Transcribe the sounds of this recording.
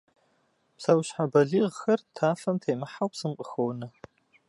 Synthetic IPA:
psawɕħabɐɮiːʁxɐrtʰaːfɐmtʰejmɨħawpsɨmqʼəxownɐ

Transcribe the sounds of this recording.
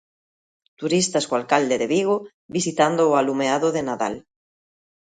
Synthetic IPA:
t̪uɾist̪askoalkald̪eðeβiɣ̞o | βisit̪and̪oːalumeaðoðenaða̰l

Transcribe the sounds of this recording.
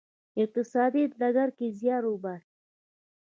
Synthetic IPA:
ɪq̚t̪ɪsɑd̪id̪d̪aɡaɾkezjɑɾobas

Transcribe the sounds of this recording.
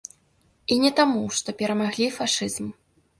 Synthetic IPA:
inʲɛt̪amuʂt̪ɔpʲɛɾɐmaɣlʲifaʂɨzm

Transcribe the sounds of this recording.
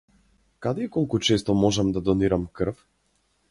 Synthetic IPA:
kad̪ɛikɔlˠkut͡ʃɛst̪ɔmɔʒamd̪ad̪ɔniɾamkr̩f

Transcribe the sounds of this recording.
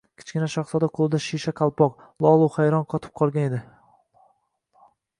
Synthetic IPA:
kʲʰɪ̥t͡ʃkʲɪnaʃaχsɒd̪aqʰolˠɪd̪aʃiʃakʰalˠpʰɒq | lˠɒlˠuχajɾɒnqʰɒt̪ʰɪ̥p̚qʰɒlˠɡʲaned̪ɪ

